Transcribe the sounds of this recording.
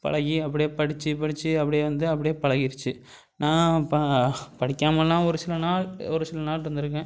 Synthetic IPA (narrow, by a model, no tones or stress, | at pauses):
pɐ̰ɭɐɣiɐpːɐɽɪjeːpɐɽɪt͡ʃːɯpɐɽɪt͡ʃːɯɐpːɐɽɪjeːʋɐnd̪ɯɐpːɐɽɪjeːpɐɭɐɣɪɾɯt͡ʃːɯ | nãːpɐpɐɽɪkʲːaːmɐlːãːɔɾɯsɪlːɐnaːɭɔɾɯsɪlːɐnaːʈɾɯnd̪ɯɾɯk̬ːẽː